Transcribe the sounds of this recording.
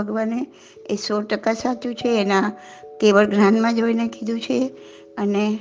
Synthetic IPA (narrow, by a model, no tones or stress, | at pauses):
əɡʋane | esoɾʈəkasat͡ʃũt͡ʃʰeːnã | t̪eʋəɭɡɾanmãd͡ʒoinekid̪ʱũt͡ʃʰe | əne